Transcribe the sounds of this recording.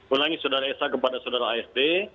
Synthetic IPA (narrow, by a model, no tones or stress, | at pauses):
ulaŋisodaɾaɛsakəpadasodaɾaːɛst̪e